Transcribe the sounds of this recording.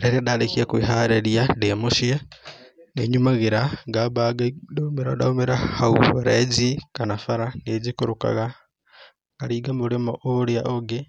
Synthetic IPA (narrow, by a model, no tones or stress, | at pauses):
ɾeɾiadadekiakwiɦaɾeɾjademuʃia | neɲumaɣeɾaɡaβaɡadmeɾadaumeɾahauβaɾezikanafaɾaneːzikuɾuka̰ɣa | ɡaɾiːɡamuɾimoʔoɾeaʔoɡe